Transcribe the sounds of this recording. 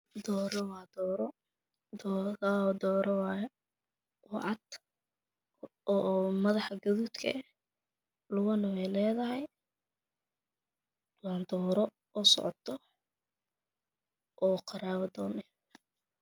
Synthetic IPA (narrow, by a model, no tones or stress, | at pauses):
d̪ɔːɾwɑːd̪ɔɾ | d̪ɔːɾɔwɑj | wɑʕɑd̪ | ɔmɐðɑħɐɡɐðuːt̪kʰɐ̰ | lʊɣʊnɐwɛjlɛːðɐɦɛj | wɑːnd̪ɔːɾɔ | ʔɔsɔ̰ʕt̪ʰɔ | ʔɔːqɑɾaːwɐd̪ɔːnɛ